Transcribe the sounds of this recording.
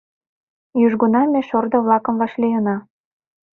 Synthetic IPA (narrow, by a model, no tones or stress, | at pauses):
jyʒɡunɑmeʃord̪ŏβlɑkə̆mvɑʃlijənɑ